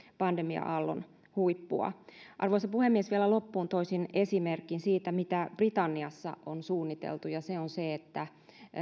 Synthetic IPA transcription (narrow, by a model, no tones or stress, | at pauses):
pɑndemiɑ̰ʔɑlːo̰n | huipːṵɑ̰ʔɑ̰rʋoisepuhemːiesʋielælopːuːnt̪oisinesimerkːˑinsiːt̪æmit̪æb̥rit̪ɑnːiɑsːɑ̰ʔonsuːnːit̪ḛlt̪ujɑseonseet̪ːæ